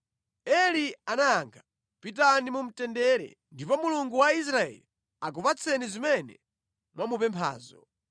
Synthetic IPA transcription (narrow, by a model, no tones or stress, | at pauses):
ɛlianaːŋɡʰa | pit̬animum̩tɛndɛɾɛ̰ | ndipɔmuluŋɡuwais̬ɾaɛ̰li | ak̬upat͡sʰɛnizimɛnɛ̰ | mwamupɛmpʰa̰ːzɔ̰